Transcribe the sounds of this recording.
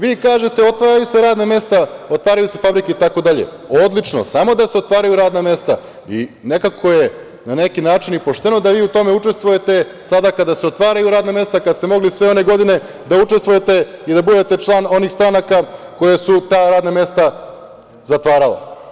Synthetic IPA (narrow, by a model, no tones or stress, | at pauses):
ʋiːkaːʒe̞t̪e̞o̞t̪ʋaːɾajuse̞ɾaːd̪name̞st̪aot̪ʋaːɾajuse̞fabɾikeit̪ako̞d̪aʎḛ | o̞d̪lit͡ʂno̰samo̞d̪aseo̞t̪ʋaːɾajuɾaːd̪name̞st̪a | ḭne̞kakʰo̞je | nane̞kinaːt͡ʃinipo̞ʃt̪e̞no̞d̪aʋiːut̪o̞me̞ut͡ʃe̞st̪ʋuje̞t̪e̞ | sad̪akad̪aseo̞t̪ʋaːɾajuɾaːd̪name̞st̪akad̪st̪e̞mo̞ɡlisʋe̞o̞ne̞ɡo̞d̪ine̞ | d̪aut͡ʂest̪ʋuje̞t̪e̞id̪abud̪et̪e̞t͡ʂlˠaːno̞nixst̪ɾanakako̞jesut̪aːɾaːd̪name̞st̪a | zat̪ʋaːɾalḛ